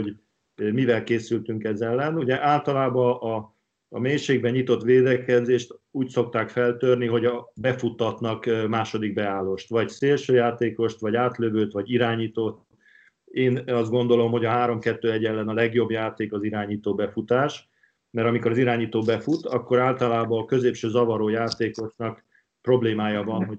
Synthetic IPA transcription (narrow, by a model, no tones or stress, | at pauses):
o | mivɛlkeːsylt̪yŋkɛzɛlːɛnuɟɛʔaːlt̪ɒlaːbɒʔː | meːʃeːɡ̚bɛɲit̪o̞t̪ʋeːd̪ɛkɛzeːʃt̪uːcso̞k̚t̪aːkfɛlt̪ørniɦo̞ɟɒbɛfut̪ːɒt̪nɒkmaːʃo̞d̪iɡ̚bɛaːloʃt̪ʋɒɟseːlʃøːjaːt̪eːko̞ʃt̪ʋɒɟaːt̪løvøːt̪ʋɒɟiɾaːɲiːt̪ot̪ | eːnɒzt̪̚ɡo̞nd̪o̞lo̞mho̞ɟɒɦaːɾo̞mkɛt̪ːøːɛɟɛlːɛnɒlɛɡjo̞bjaːt̪eːkɒziɾaːɲiːt̪oːbɛfut̪aːʃ | mɛɾɒmiko̞ɾɒziɾaːɲiːt̪oːbɛfut̪ɒkːo̞ɾaːlt̪ɒlaːbɒːkø̞zeːpʃøːzɒvɒɾoːjaːt̪eːko̞ʃnɒk | pro̞bleːmaːjɒvɒnɦo